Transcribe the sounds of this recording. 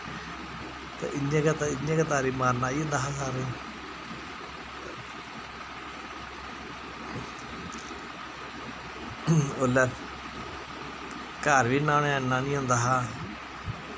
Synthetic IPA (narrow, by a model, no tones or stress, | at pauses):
t̪ḛːʔɪɲẽːkat̪aɪɲẽːkət̪aːɾiːmaːɾnaːiːɦõnd̪aːɦaːsaːɾẽː | oːlɛː | kaːɾʋiːnãːnẽnːãːnĩːɦʊ̃nd̪aːɦaː